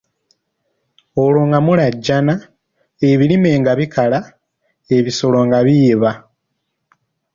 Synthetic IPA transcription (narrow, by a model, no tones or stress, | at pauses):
oloŋɡamulaɟːana | eβilime̞ːŋɡaβikala | e̞βiso̞lo̞ŋɡaβiβa